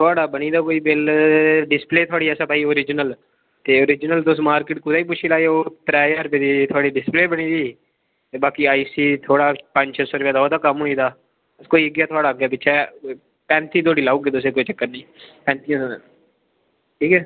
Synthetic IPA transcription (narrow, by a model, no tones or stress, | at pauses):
t̪ʰoaːɽaːbəñiːd̪aːkoːiːbɪlɖɪspleːt̪ʰoaːɽiːɛːsaːpaːiːoːɾɪd͡ʒnəl | t̪eːoːɾɪd͡ʒnəlt̪ʊsmaːɾkɪʈkʊd̪aːiːp̬ʊʃʰiːlaːeoːt̪ɾaːjəɾped̪iːt̪ʰoaːɽiːɖɪspleːbəɽ̃iːd̪iː | t̪eːbaːkiːaːiːsiːt̪ʰoːɽaːpə̃ɲd͡ʒt͡ʃsoːɾʋaːd̪aoːd̪aːkəmɦːniːd̪aː | koːiːəɡjaːt̪ʰʊaːɽaːɡjaːpɪʃʰɛː | pɛ̃ːnt̪iːt̪̬ʰoːɽiːlaːuːɡeːt̪ʊs̬eːkoːit͡ʃəkːəɾnĩːpɛ̃ːnt̪ĩ | ʈʰiːkɛ